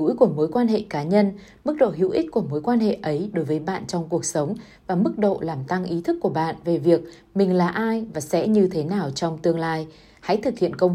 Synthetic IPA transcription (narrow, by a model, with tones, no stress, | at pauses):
jku˧˩əmo˨˦jkwaː˧nɦḛ˧˨kaː˨˦ɲə˧n | mɨ˦˥k̚ɗo̰˧˨ɦḭ˧˨wʔi˦˥k̟̚ku˧˩əmo˨˦jkwaː˧nɦḛ˧˨ʔə˨˦jɗo˨˦jvəː˨˦jɓa̰ː˧˨nt͡ɕɔ˧wŋ͡mku˨˩ək̚sə˨˦wŋ͡m | vaː˨˩mɨ˦˥k̚ɗo̰˧˨laː˨˩mt̪a˧ŋʔi˨˦t̪ʰɨ˦˥kːu˧˩əɓa̰ː˧˨nve˨˩vi˨˩ək̚ | mï˨˩ŋ̟laː˨˩ʔaː˧jvaː˨˩sɛ̰˧˥ɲɨ˧t̪ʰe˨˦naː˨˩wt͡ɕɔ˧wŋ͡mt̪ɨ˧əŋlaː˧j | ha̰˧˥jt̪ʰɨ˨˩k̚hḭ˧˨ənkə˧wŋ͡m